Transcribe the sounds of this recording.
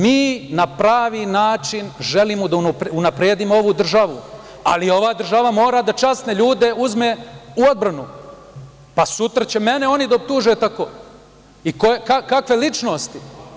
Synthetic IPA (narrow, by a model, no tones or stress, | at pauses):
miːnapɾaːʋiːnaːt͡ʃinʒe̞limod̪aunpunapɾeːd̪imoo̞ʋud̪r̩ʒaʋṵ | a̰lio̞ʋaːd̪r̩ʒaʋamo̞ːɾad̪at͡ʃast̪ne̞ʎuːd̪e̞uzme̞ːuo̞d̪̚bɾanu | pasut̪ɾat͡ɕe̞me̞neo̞nid̪aop̚t̪uːʒet̪akoː | ikoekakakʋe̞lit͡ʃno̞st̪i